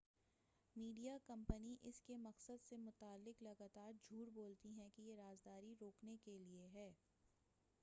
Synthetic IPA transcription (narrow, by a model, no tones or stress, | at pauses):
miːɖijakɐ̃mpəniʔɪskemɐqsəd̪semʊt̪aːlːɪklɐɡaːt̪aːɾd͡ʒʱuːɾboːlt̪iɦɛ̃kijeɾaːzd̪aːɾiɾoːknekelieɦɛː